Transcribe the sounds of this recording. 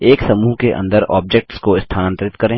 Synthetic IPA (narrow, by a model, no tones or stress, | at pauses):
eːksɐmuːɦkeʔɐ̰̃nd̪əɾɔ̰ːb̚d͡ʒek̚ʈskoɪst̪ʰaːnə̃nt̪əɾɪt̪kɐɾẽː